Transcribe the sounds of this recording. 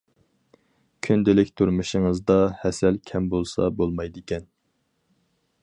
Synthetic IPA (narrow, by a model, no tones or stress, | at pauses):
kʲʰynd̪ɪlɪkʲt̪ʰuɾmuʃɪŋɨzd̪ɑhɛsɛlkʲʰɛmbolˠsɑ̰bolˠmɑjd̪ɪkʲɛn